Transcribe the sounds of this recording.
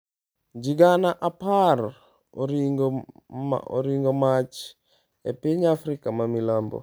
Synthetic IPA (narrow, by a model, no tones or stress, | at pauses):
d͡ʒiɡanaʔapar | oɾiŋɡ̰ | o̰ɾiŋɡomat͡ʃ | epiɲafɾikamamilambo̰